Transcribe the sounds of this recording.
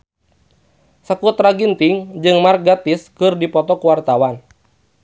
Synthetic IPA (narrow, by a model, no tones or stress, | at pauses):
səkut̪ɾaɡint̪iŋd͡ʒɨŋmar̚ɡat̪iskɨrdipɔt̪ɔkuwart̪awan